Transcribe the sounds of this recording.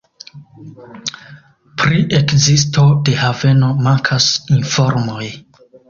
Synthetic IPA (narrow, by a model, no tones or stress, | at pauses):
pɾiʔe̞kzis̬tʰo̞de̞have̞no̞maŋkʰasinfo̞ɾmo̞j